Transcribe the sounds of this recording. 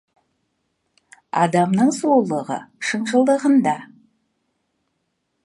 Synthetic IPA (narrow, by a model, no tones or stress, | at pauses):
ɑ̰d̪ɑmnəɴsolˠəʁə̰ʃəɴʒəlˠd̪əʁənd̪ɑ